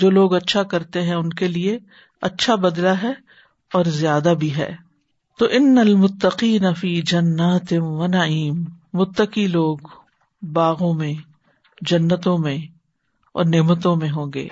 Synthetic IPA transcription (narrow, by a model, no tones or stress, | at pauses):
d͡ʒoːloːɡɐtːʃʰakɐɾt̪eɦɛ̃ʊnkelie | ɐtːʃʰabɐd̪laɦɛ | ɔːɾzjaːd̪abʱiɦɛ̰ː | t̪oːʔɪnːɐlmʊt̪ːɐqiːnɐfiːd͡ʒɐnːaːt̪ɪʋɐnɐʕiːmːʊt̪ːəqiloːɡ | baːɣõmẽ | d͡ʒɐnːət̪õmẽ | ɔ̰ːɾneːmət̪õmẽɦõːɡḛː